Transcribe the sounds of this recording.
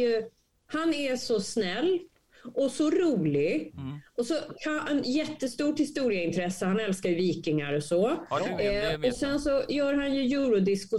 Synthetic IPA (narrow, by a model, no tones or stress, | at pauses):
jɵ | hanɛsɔsnɛlː | ɔsɔɾuːlɪɡɔsɔkʰaɛnjɛt̪ːəst̪uːʈhɪst̪uːɾɪəɪnt̪ʰɾɛsːəhanɛlskajɵviːkɪŋaɾɔsɔ | ɔsɛnsɔjœːɾɦanjɵjuːɾʊd̪ɪskʊ